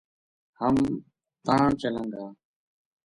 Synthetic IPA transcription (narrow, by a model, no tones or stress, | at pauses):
həm | t̪ãːt͡ʃələ̃ŋɡaː